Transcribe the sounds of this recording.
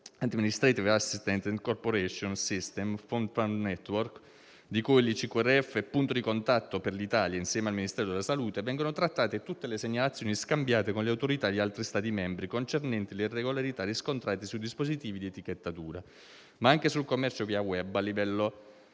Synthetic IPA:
ad̪minist̪ɾet̪ivasːist̪ɛnt̪ɛnd̪korpoɾɛʃonsist̪ɛmfond̪fannɛt̪ːwork | d̪ikujlit͡ʃikuɛrːeɛfːepːunt̪od̪ikont̪at̪ːoperlit̪aːljainsjɛːmealminist̪ɛːɾod̪elasaluːt̪evɛŋɡonot̪ɾat̪ːaːt̪et̪ut̪ːeleseɲːalat̪sːjoːniskambjaːt̪ekonleawt̪oɾit̪ad̪ialt̪ɾist̪aːt̪imɛmbɾikont͡ʃernɛnt̪ileirːeɡolaɾit̪aɾiskont̪ɾaːt̪isuid̪ispozit̪iːvid̪iet̪iket̪ːat̪uːɾa | maaŋkesulkomːɛrt͡ʃoviːawɛbːalːivɛlːo

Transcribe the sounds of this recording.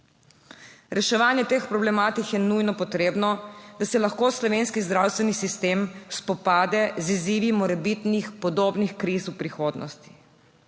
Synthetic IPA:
ɾɛʃɛʋaːnjɛt̪expɾɔblɛmaːt̪ikjɛnujnɔpɔt̪ɾeːbnɔd̪asɛlaxkoːslɔʋeːnskizd̪ɾawst̪ʋɛnisist̪eːmspɔpaːd̪ɛziziːʋimɔɾɛbit̪nixpɔd̪oːbnixkɾiswpɾixoːd̪nɔ̰st̪i̥

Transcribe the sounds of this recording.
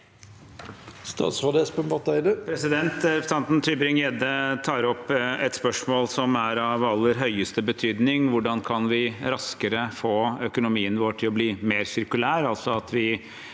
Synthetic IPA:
st̪ɑ̰ːt̪sɑd̪espəmbɑt̪æɪd̪əpʰɾɛsɪd̪ɛnt̪st̪ɑnt̪n̩t̪ʰyːbɾɪŋjɛd̪ət̪ʰɑːɾɔpːɛt̪spœʂmoːlsɔmæɾɑʋɑlːəɾɦœʏəst̪əbət̪ʰyːd̪nɪŋʋʊɖɑnkʰɑnʋɪɾɑskəɾəfoːœkʊnʊmiːənʋoːʈʰɪlɔbliːmeːɾsɪɾkʉlæːɾɑlsɔɑt̪ʰʋɪ

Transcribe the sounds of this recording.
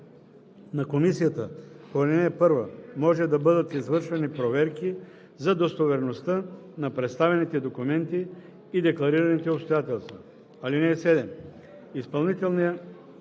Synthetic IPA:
nakomisijat̪əpoɾɛlinɛːpɤɾvɐmɔʒɛd̪ɐbɤd̪ət̪izvəɾʃvɛnipɾovɛɾki | zad̪ost̪ovɛɾnost̪anapɾɛt̪st̪avɛnit̪ɛd̪okumɛnt̪iː | d̪ɛklˠɐɾiɾɐnit̪ɛopst̪ojat̪ɛlˠst̪vɐ | alinɛːsɛd̪ɛm | ispɐlˠnit̪ɛlˠnijə

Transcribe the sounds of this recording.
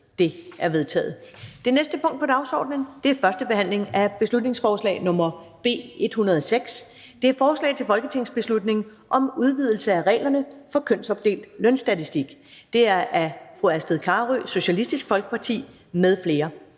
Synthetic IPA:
d̥e̝ʔæɐʋe̝ðˠt͡sʰɛ̰ːð̩ˠd̥e̝nesd̥əpʰɔ̽ŋ̰d̥̚pʰɒ̽d̥ɑ̈ʊsɒ̰ːd̥nənd̥e̝æɐfɶɐsd̥əb̥e̝ɦæn̰le̝ŋæb̥e̝slud̥ne̝ŋsfɒːslɛ̰ɪnɔ̽mɐb̥e̝̰ːe̝d̥hunɐð̞ˠɒseɡ̥s | d̥e̝æɐfɒːslɛ̰ɪt͡sʰe̝lfɒ̽lɡ̥ət͡sʰe̝ŋ̰sb̥e̝slud̥ne̝ŋ | ʔɒ̽muð̞ˠʋið̞̰ˠl̩səæʁɛ̰ːlɐnəfɒ̽kʰøn̰sɒ̽b̥̚d̥e̝̰ːld̥lœnsd̥æt͡sʰisd̥iɡ̥d̥e̝æɐʔæfʁuæsd̥əðˠkʰɑːʁyso̝ɕælisd̥isɡ̥fɒlɡ̥ə̥pʰɑ̈t͡sʰḭː | meðˠfle̝ːɐ

